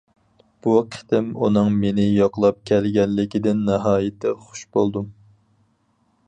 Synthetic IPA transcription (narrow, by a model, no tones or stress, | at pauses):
b̥uqʰɪ̥t̪ɪmunɨŋmenɪjɑqlˠɑp̚kʲʰɛlɡʲɛnlɪkʲid̪ɪnːɛɦɑːjɪt̪ʰɪχʊ̥ʃbolˠd̪u